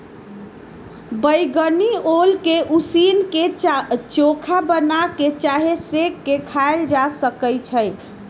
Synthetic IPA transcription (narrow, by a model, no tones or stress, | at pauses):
bəjɡəniolkeʔusinket͡ʃokʰabənaket͡ʃaɦesekːekʰaeld͡ʒasəkəjt͡ʃʰəj